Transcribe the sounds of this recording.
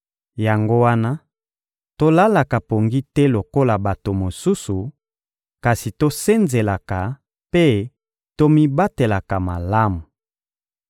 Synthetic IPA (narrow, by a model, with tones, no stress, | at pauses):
ja˨ŋɡo˦wa˦na˦ | to˦la˦la˨ka˨po˨ŋɡi˦tɛ˦lo˨ko˦la˨ba˨to˨mo˨su˦su˨ | ka˨si˨to˦se˦nze˨la˨ka˨ | pe˦ | to˦mi˦ba˦te˨la˨ka˨ma˨la˦mu˨